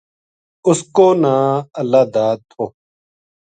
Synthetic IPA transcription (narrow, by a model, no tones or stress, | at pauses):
ʊskoːnaːəlaːd̪aːd̪̚t̪ʰoː